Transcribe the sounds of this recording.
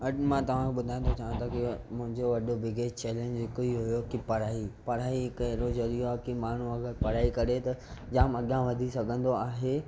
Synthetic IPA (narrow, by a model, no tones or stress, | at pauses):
ɐmãːt̪ɐʋ̤ãkʰeɓʊd̪ʱaːj̃nt̪ʰot͡ɕaːʋə̃t̪ʰakimʊ̃ɦɪ̃ɲd͡ʑoʋɐɗobɪɡeːt͡ɕt͡ɕɛːlẽːɲd͡ʑɦɪkoiɦʊjokipɐɾ̤aːipɐɾaːikɐɦɪɾozɐɾioakimaːɳ̤uɐɡəɾpɐɾ̤aːikɐɾet̪ɐd͡ʑaːmɐɠjãʋɐd̪ʱisɐɡʱə̃nd̪oaːɦe